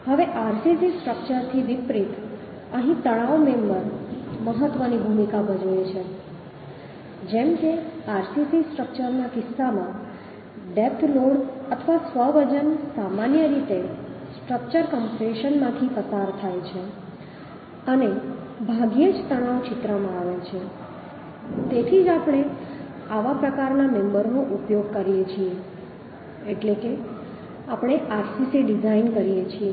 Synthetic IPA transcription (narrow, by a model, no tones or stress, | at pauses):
həʋeʔaɾsisisʈɾək̚t͡ʃəɾt̪ʰiʋipɾit̪ | əɦĩt̪əɽ̃aʋmẽmbəɾməɦət̪ʋənibʱumikabəd͡ʒojet͡ʃʰe | d͡ʒemkeaɾsisisʈɾək̚t͡ʃəɾnakɪsːamã | ɖep̚ʰt̪ʰloɽət̪ʰəʋasʋəʋəd͡ʒənsamanjəɾit̪esʈɾək̚t͡ʃəɾkəmpɾeʃənmãt̪ʰipəsaɾt̪ʰajt͡ʃʰe | əne | bʱaɡijed͡ʒt̪əɽ̃aʋt͡ʃɪt̪ɾəmãaʋet͡ʃʰe | t̪et̪ʰid͡ʒapəɽ̃e | aʋapɾəkaɾnamɛmbəɾnõʔupjoɡkəɾijet͡ʃʰie | eʈleke | apɽ̃eʔaɾsisiɖid͡ʒainkəɾijet͡ʃʰie